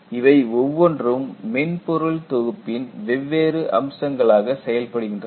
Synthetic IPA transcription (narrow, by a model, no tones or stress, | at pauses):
ɪʋɐɪɔʋːɔndrɯmːɪnpɔɾɯɭt̪ɔɣɯpːɪnʋɛʋːeːɾɯʔɐ̰msɐŋɡɐɭaːɣɐsɛjɐlpɐɽɯɣɪndrɐ